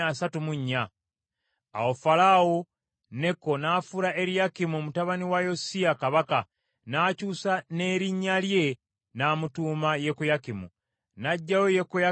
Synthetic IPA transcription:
asatumuɲːaː | wofalawo | ne̞ko̞naːfuɾaʔe̞ɾijakimumutaβaniwajo̞siakaβaka | naːcuːsane̞ɾiɲːalje̞ | naːmutuːmaje̞kujakimṵ | naɟːajojekuja

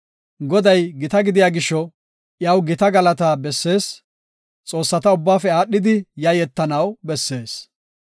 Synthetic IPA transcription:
ɡɔd̪ɐjɡɪt̪ɐɡɪd̪ɪjaːɡɪʃːɔ | ʔjɐwɡɪt̪ɐɡɐlɐt̪aːbɛsːe̞ːs | t͡sʼo̞ːsːɐt̪ɐʊbːaːfɛaːɗːɪd̪ɪjɐjɛt̪ːɐnɐwbɛsːe̞ːs

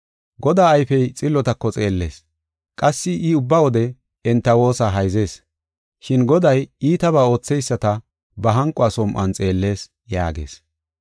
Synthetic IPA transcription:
ɡɔd̪aːɐjfɛjt͡sʼɪlːɔt̪ɐkːɔt͡sʼe̞ːlːe̞ːs | kʼɐsːɪʔʊbːɐwɔd̪ɛ | ɛnt̪ːɐwo̞ːsɐɦɐjze̞ːs | ʃɪnɡɔd̪ɐjiːt̪ɐβaːo̞ːt͡sːɛjsːɐt̪ɐ | bɐɦɐŋkʼːʊasɔmʔɐnt͡sʼe̞ːlːe̞ːs | ja̰ːɡe̞̰ːs

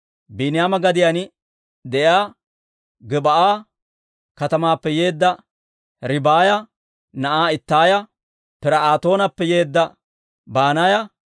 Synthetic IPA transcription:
binɪjaːmɐɡɐd̪ɪjanɪ | d̪ɛjaː | ɡɛbɐʔaː | kɐt̪ɐmaːpːɛjeːd̪ːɐ | ɾɪbaːjɐ | nɐʔaːɪt̪ːaːjɐ | pɪɾɐaːt̪o̞ːnɐpːɛje̞ːd̪ːɐ | baːnajɐ

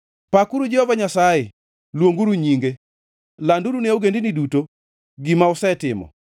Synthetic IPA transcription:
pakuɾud͡ʒɛhɔvaɲasajɛ | lwoŋɡuɾuɲiŋɡe | landuɾuneoɡendiniduto | ɡimaʊsɛtɪmɔ̰

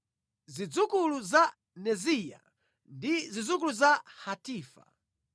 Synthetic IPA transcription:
zid͡zukuluza | nɛzija̰ | ndizid͡zuk̬uluzahatiːfa̰

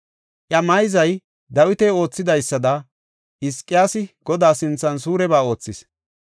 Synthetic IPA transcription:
ʔjɐmɐjzɐj | d̪ɐwɪt̪ɛːo̞ːt͡sːɪd̪ɐjsːɐd̪ɐ | ʔɪskʼːɪjaːsɪɡ̥ɔd̪aːsɪnt͡sːɐns̬uːɾɛbaːo̞ːt͡sːɪs

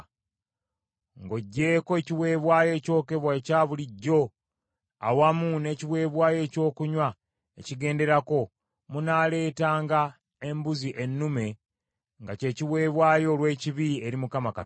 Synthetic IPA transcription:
ŋɡo̞ɟːe̞ːkoe̞ciwe̞ːβwaːje̞ːco̞ːke̞βwaecaːβuliɟːo̞ | awamune̞ːciwe̞ːβwaːje̞ːco̞ːkuɲwa | ḛciɡe̞ːnde̞ɾako̞ | munaːle̞ːtaːŋɡa | e̞mbuziʔe̞nːume̞ | ŋɡace̞ːciwe̞ːβwaːjo̞ːlwe̞ːciβieɾimukamaka

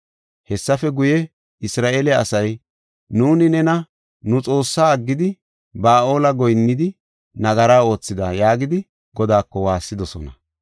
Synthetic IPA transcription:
hɛsːɐfɛɡʊjɛ | ɪsɾaːʔeːlɛɐsɐj | nuːnɪnɛnɐ | nʊt͡sʼo̞ːsːaːɐɡːɪd̪ɪ | baːʔo̞ːlɐɡɔjnːɪd̪ɪ | nɐɡɐɾaːo̞ːt͡sːɪd̪ajaːɡɪd̪ɪ | ɡɔd̪aːkːɔwaːsːɪd̪ɔsɔ̰nɐ

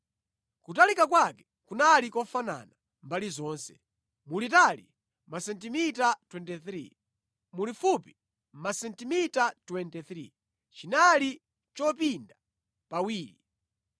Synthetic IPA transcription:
kutalikak̬wakɛ | kunalikɔfana̰na | mbalizɔːnsɛ̰ | mulitali | masɛntimitatwɛntɛθɾḭ | mulifupi | m̩masɛntimitatwɛntɛθɾḭ | t͡ʃinali | t͡ʃɔpinda | pawiːɾi

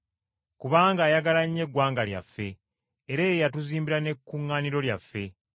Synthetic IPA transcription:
kuβaːŋɡaːjaɡalaɲːe̞ɡwaːŋɡalja̰fːe̞ː | ɾeːjejatuziːmbiɾane̞kːuŋːaːniɾo̞ljafːe̞

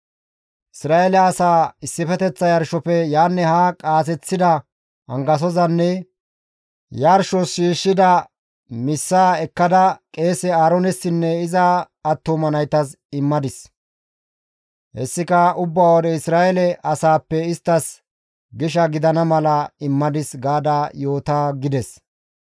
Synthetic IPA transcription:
ʔɪsɾaːʔɛlɛɐsaːɪsːɪfɛt̪ɛt͡sːɐjɐɾʃɔpɛjaːnːɛhakʼaːs̬ɛt͡sːɪd̪ɐ | ɐ̰ŋɡɐs̬ɔzɐnːɛ | jɐɾʃɔsʃiːʃːɪd̪ɐ | mɪsːaːɛkːɐd̪ɐkʼe̞ːsɛaːɾɔnɛsːɪnːɛɪzɐː | t̪ːomɐnɐjt̪ɐs | ɪmːɐd̪ɪs | hɛ̰sːɪkɐʊbːaːwɔd̪ɛɪsɾaːɛlɛʔɐsaːpːɛɪst̪ːɐs | ɡɪʃ̬ɐɡɪd̪ɐnɐmɐlɐɪmːɐd̪ɪsɡaːd̪ajo̞ːt̪aɡɪd̪ɛs

